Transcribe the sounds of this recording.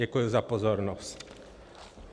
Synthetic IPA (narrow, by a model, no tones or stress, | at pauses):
ɛkujuzapɔzɔɾnɔsc